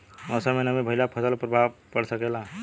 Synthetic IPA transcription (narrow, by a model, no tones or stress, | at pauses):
ɔsəmenəmebʱəɪlapʰəsəlpɾəbʱabkəɽsəkɛla